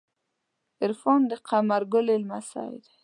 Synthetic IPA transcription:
ɪɾfond̪əqʰamaɾɡʊlelmasɑ̰ɪ̰d̪

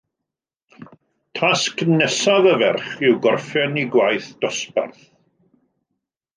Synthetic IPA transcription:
tʰasknɛsaðəvɛrχɪwɡɔrfɛniɡwajθd̥ɔspa̰rθ

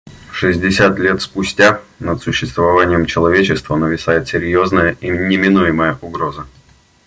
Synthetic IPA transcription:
ʂɨzʲdʲɪsʲat̪lʲe̞t̪spʊsʲtʲanət̪sʊɕːɪst̪vɐvanʲɪjəmt͡ɕɪlˠɐvʲet͡ɕɪst̪vənəvʲɪsajɪt̪sʲɪɾʲjo̞znəjəʔinʲɪmʲɪnujɪməjəʔʊɡɾo̞zə

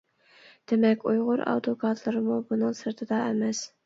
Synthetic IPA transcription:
d̪̥ɪmɛkʲujʁʊɾɑ̰wt̪ʰokʰɑt̪ʰlˠɨɾmubunɨŋsɨɾt̪ʰɨd̪ɑemɛs

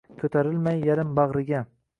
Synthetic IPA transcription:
kʲʰɵt̪ʰaɾɪlmajːaɾɪmbɑʁɾɪɡʲa

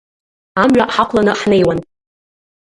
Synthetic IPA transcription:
amɥʷᶣaʔħaqʷʰlanɨħne̞jwan

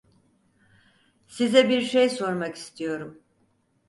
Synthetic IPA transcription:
sizɛbiɾʃejso̞ɾmaki̥st̪ʰijo̞ɾum

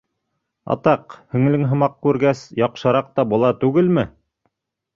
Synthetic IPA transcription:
ɑ̰t̪ɑqhɵ̆ŋlɘŋɦɤ̆mɑq̚kʉɾɡæsjɑqʃɤ̆ɾɑq̚t̪ɑbŏlˠɑt̪ʉɡɘlmɘ

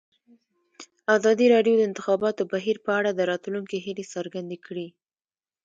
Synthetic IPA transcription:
azɑd̪iɾɑɖjod̪əɪnt̪ɪxɑbɑt̪obaɦiɾpəaɽad̪əɾɑt̪luŋkeɦilesəɾɡand̪ekɽi

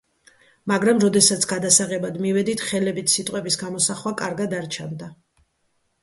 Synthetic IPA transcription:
maɡɾamɾɔd̪ɛsat̪sʰɡ̥ad̪asaʁɛbad̪mivɛd̪it̪ʰχɛlɛbit̪ʰsit̪ʼqʼwɛbisɡamɔsaχwakʼaɾɡad̪aɾt͡ʃʰand̪a

